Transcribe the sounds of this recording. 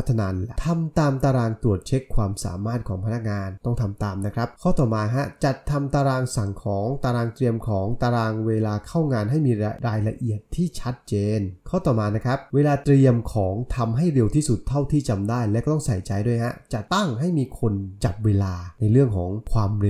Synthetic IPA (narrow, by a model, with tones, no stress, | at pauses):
t̪ʰːa˧naː˧t̪ʰa˧mt̪aː˧mt̪aː˧ɾaː˧ŋt̪u˨˩ət̪̚t͡ɕʰe˦˥kʰwaː˧msa̰ː˩˦maː˥˩t̪̚kʰɔː˩˦ŋpʰa˧na˦˥k̚ŋaː˧nt̪ɔ˥˩ŋt̪ʰa˧mt̪aː˧mna˦˥kʰɾa˦˥p̚kʰɔː˥˩t̪ɔː˨˩maː˧ɦa˦˥t͡ɕa˨˩t̪ʰːa˧mt̪aː˧ɾaː˧ŋsa˨˩ŋkʰɔː˩˦ŋt̪aː˧ɾaː˧ŋt̪ɾi˧əmkʰɔː˩˦ŋt̪aː˧ɾaː˧ŋweː˧laː˧kʰa˥˩wŋaː˧nɦa˥˩jmiː˧ɾa˧ɾaː˧jɾa˧ʔi˨˩ət̪ʰːiː˥˩t͡ɕʰa˦˥t̪̚t͡ɕeː˧nkʰɔː˥˩t̪ɔː˨˩maː˧na˦˥kʰɾa˦˥p̚weː˧laː˧t̪ɾi˧əmkʰɔː˩˦ŋt̪ʰa˧mɦa˥˩jɾe˧wt̪ʰiː˥˩su˨˩t̪ʰːa˥˩wt̪ʰiː˥˩t͡ɕa˧mdaː˥˩jlɛ˧˦˥kɔː˥˩t̪ɔ˥˩sa˨˩jt͡ɕa˧jdu˥˩jɦa˦˥t͡ɕa˨˩t̪a˥˩ŋɦa˥˩jmiː˧kʰo˧nt͡ɕa˨˩p̚weː˧laː˧na˧jɾɯ˥˩əŋkʰɔ̰ː˩˦ŋkʰwaː˧mɾ